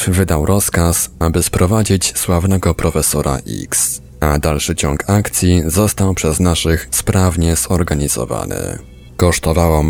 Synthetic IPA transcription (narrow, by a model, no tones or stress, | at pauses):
vɘd̪awɾʔɔskasabɘspɾɔvad͡ʑit͡ɕswavnɛɡɔpɾɔfɛsɔɾʔa̰ʔḭks | ad̪alʂɘt͡ɕɔŋkʰakt̪sʲjizɔst̪awpʂɛznaʂɘxspɾavɲɛzɔɾɡaɲizɔ̰va̰nɘ̰ | kɔʂt̪ɔvawam